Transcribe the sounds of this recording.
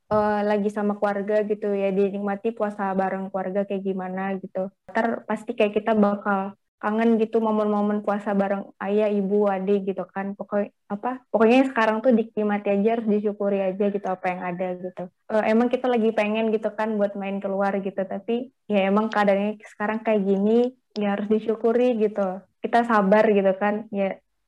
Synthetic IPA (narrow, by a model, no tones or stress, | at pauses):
ʔəlaɡisamakuarɡaɡit̪ujadinik̚mat̪ipuasabaɾəŋkuarɡakajaɡimanaɡit̪ut̪arpast̪ikajakit̪abakal | kaŋənɡit̪umamʊnmomənpuasabaɾəŋajaibuadeɡit̪ukanpoko | apapokoɲasə̥kaɾaŋt̪udik̚imat̪iad͡ʒahaɾʊs̬diʃukuɾiad͡ʒaɡit̪uapajaŋadaɡit̪u | ʔəemaŋkit̪alaɡipeŋɛnɡit̪ukanbuat̪̚maɪnkəluarɡit̪ut̪api | jaemaŋkadaŋɲasə̥kaɾaŋkajaʔɡini | jaɦaɾʊsdit͡ʃukuɾiɡit̪ukit̪asabarɡit̪ukanja